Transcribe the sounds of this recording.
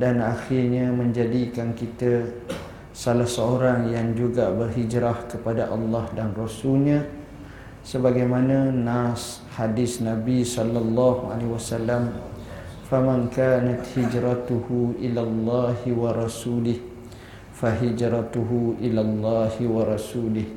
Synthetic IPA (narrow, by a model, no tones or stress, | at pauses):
danaxirɲamə̃ɲd͡ʒadikankit̪ə | salahsaoɾaŋjaŋd͡ʒuɡabərɦid͡ʒɾahkəpadaʔɑlːɑhdanrasulɲã | səbaɡajmanãnas | hadɪsnabisɔlːalːɑhua̰lewasalːam | famãŋkaːnat̪hid͡ʒɾat̪uhuʔilalːɑhwaɾˤɑsulɪh | faɦid͡ʒɾat̪uɦuʔilalːɑhwaɾɑsuːlɪh